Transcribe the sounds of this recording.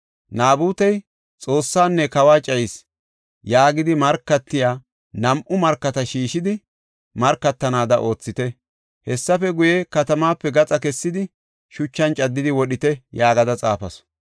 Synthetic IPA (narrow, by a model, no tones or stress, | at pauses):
naːbuːt̪ɐj | t͡sʼo̞ːsːaːnːɛkɐwaːt͡ʃʼɐjɪs | jaːɡɪd̪ɪmɐɾkːɐt̪ːɪjaː | nɐmʔʊmɐɾkːɐt̪ɐʃiːʃɪd̪ɪ | mɐɾkːɐt̪ːɐnaːd̪ɐʔo̞ːt͡sːɪt̪ɛ | hɛsːɐfɛɡʊjɛkɐt̪ɐmaːpːɛɡɐt͡sʼɐkɛsːɪd̪ɪ | ʃʊt͡ʃːɐnt͡ʃʼɐd̪ːɪd̪ɪwɔɗɪt̪ɛjaːɡɐd̪ɐt͡sʼaːfɐsɔ̥